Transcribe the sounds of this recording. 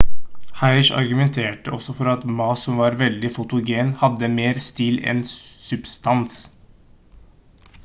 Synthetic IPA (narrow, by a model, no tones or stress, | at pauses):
hɑɪʂɑ̰ɾɡʉmɛnt̪ʰeːʈəʔɔsɔfɔɾɑt̪mɑːsɔmʋɑːɾʋɛld̪ɪfʊt̪ʊɡeːnhɑd̪ːəmeːɾst̪ɪlɛ̰nsʉbst̪ɑns